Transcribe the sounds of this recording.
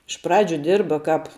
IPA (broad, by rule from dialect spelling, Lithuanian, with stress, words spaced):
ɪʃ ˈprɑːd͡ʒʲʊ ˈdʲɪrbɐ ˈkɑːp